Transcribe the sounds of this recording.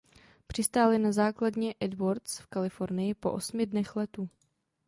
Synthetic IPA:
pr̝̥ɪst̪aːlɪnazaːkladɲɛʔɛdvoɾt̪sfkalɪfo̞ɾnɪjɪpo̞̰ʔosmɪdnɛxlɛt̪u

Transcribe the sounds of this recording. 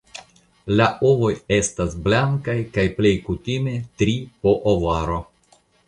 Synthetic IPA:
laʔovo̞je̞stasblaŋkajkajple̞jkutime̞tɾipo̞ʔovaɾo̞

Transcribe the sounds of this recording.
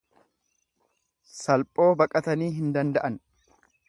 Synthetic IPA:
sɐlpʼo̞ːbɐkʼɐt̪ɐniːɦɪnd̪ɐnd̪ɐʔɐn

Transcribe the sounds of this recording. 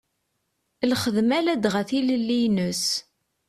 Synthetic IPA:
lχəðmælæd̪ʁəθiləlːijnəs

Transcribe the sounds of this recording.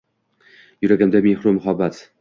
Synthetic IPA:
jʊɾaɡʲand̪amehɾʊmʊɦabːat̪

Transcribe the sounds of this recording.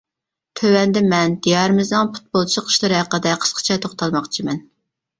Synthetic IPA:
t̪ʰøwɛnd̪ɛmɛnd̪ijɑɾmɨznɨŋpʰu̥t̪̚bolˠt͡ʃʰiqʰə̥ʃlˠɨɾɨhæqəd̪ɛqʰə̥sqʰə̥t͡ʃʰɛt̪ʰoχt̪ʰɑlˠmɑχt͡ʃʰimɛn

